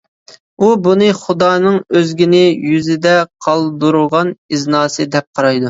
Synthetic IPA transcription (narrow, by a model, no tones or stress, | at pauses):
ubunɨχʊd̪ɑːnɨŋøzɡʲinɪjyzɪd̪ɛqʰɑlˠd̪uɾʊʁɑniznɑːsɨd̪ɛp̚qʰɑɾɑjd̪u